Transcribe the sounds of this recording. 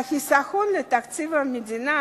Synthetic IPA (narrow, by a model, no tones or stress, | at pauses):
xisaxunlət̪akt͡sivamid̪ina